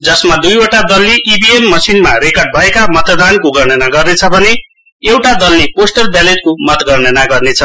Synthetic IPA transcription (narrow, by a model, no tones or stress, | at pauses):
d͡zʌsmad̪ujoʈad̪ʌlːiʔibiemːʌsinmaɾekʌrɖ̚bʱʌekamʌt̪d̪ankoɡʌrnʌnaɡʌrnet͡sʰʌbʱʌne | ewʈad̪ʌlːiposʈʌrbaleɖ̚komʌt̪ɡʌrnʌnaɡʌrnet͡sʰʌ